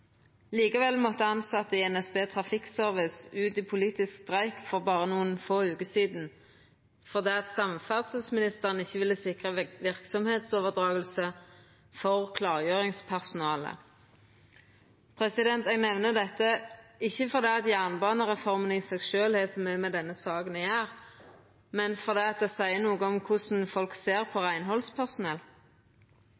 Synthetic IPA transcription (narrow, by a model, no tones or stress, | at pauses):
liːkəʋɛlmɔt̪ːəɑnsɑt̪ːəɛnɛsbeːt̪ʰʁɑfɪksœʁʋɪsʉːt̪iːpʰʊliːt̪ɪskst̪ʁæɪkfɔʁbɑːʁənuːənfoːʉːkəsiːd̪n̩ | fɔʁd̪ɛːɑt̪sɑmfæʁsəsmɪnɪst̪əʁən̩ɪçːəʋɪlːəsɪkʁəʋɪʁksɔmheːt̪soːʋəʁd̪ʁɑːɡəlsə | fɔʁkʰlɑːʁjøːʁɪŋspʰæʁsʊnɑːlə̰ | pʰʁɛsɪd̪ɛnt̪ɛɡnɛʋnəd̪ɛt̪ːəɪçːəfɔʁd̪ɛːɑt̪jæʁnbɑːnəʁɛfɔʁmənəɪsɛɡʃøːlhɛːsɔmœmɛd̪ɛnːəsɑːɡənjæːʁ | mɛnfɔʁd̪ɛːɑt̪̚d̪ɛsæɪənuːɡəɔmkʰʊsn̩fɔlkseːʁpʰɔʁæɪnɦɔlspʰæʁsʊnɛl